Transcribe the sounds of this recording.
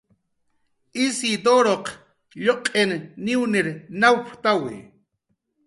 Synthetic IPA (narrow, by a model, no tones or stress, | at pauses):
ʔisid̪oɾoq | ʎoqʼenːiwnɪɾnawpʰt̪awɪ̰